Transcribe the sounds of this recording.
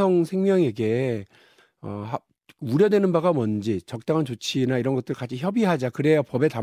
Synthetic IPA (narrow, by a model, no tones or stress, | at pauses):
ʌŋsʰe̞ŋmjʌŋe̞ɡe̞ | ʌɦa | uɾjʌdwe̞nɯnbaɡamʌnd͡ʑit͡ɕʌk̚t͈aŋɦant͡ɕot͡ɕʰinaiɾʌnɡʌt͈ɯɯɭk͈at͡ɕʰiçjʌbiɦad͡ʑakɯɾe̞jopʌbe̞ta